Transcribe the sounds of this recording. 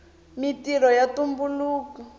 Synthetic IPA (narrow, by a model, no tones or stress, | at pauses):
mitirɔjatumbuluːku